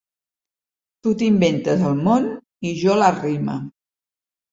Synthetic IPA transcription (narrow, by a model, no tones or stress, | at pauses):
t̪ut̪imbent̪əzəlˠmon | iʒɔlərimə̰